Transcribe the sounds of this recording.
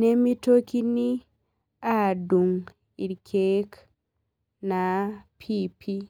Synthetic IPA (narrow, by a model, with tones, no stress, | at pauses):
ne˦mi˦to˦ki˦ni˦ | a˦du˨ŋ | i˨ɾkʰek | na˨pʰipʰi˦